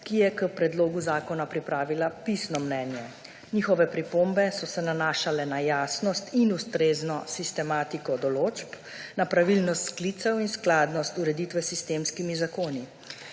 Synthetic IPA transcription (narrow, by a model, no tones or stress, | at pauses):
kijɛkəpɾɛd̪loːɡuzaːkɔnapɾipɾaːʋilapisnɔmnɛːnjɛ | niːxɔʋɛpɾipoːmbɛsɔsɛnanaːʃalɛnajaːsnɔst̪inust̪ɾeːznɔsist̪ɛmaːt̪ikɔd̪ɔloːt͡ʃp | napɾaʋilnɔst̪skliːt̪sɛwinsklaːd̪nɔst̪uɾɛd̪iːt̪ʋɛsist̪eːmskimizakoːni